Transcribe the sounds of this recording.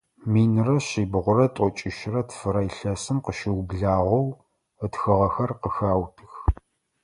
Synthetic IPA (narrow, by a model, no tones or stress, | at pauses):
miːnrɐɕiːbʁʷʊɾɐtʼɔt͡ʃʼɪʃɪrɐtʰfɨɾɐjɬɐsɨmqəʃɪwbɮaːʁʷɐw | ətxɨʁɐxɐrqəxaːwtʰɨx